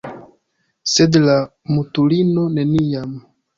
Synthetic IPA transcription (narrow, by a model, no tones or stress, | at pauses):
sedlamutulino̞ne̞niam